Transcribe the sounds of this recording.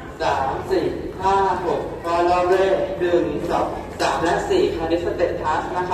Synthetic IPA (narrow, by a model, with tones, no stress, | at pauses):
saː˩˦msiː˨˩haː˥˩ɦo˨˩k̚kaː˧lɔː˧ɾeː˥˩dɯ˧˩n˩˦sɔ̰˨˩˦ŋ̚saː˩˦mlɛ˦˥ʔsiː˨˩kʰaː˧li˦˥sa˧t̪e˨˩t̪ʰa˦˥sna˦˥kʰa˦˥